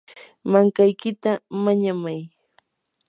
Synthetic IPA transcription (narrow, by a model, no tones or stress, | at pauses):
maŋkajkɪt̪amaɲamaj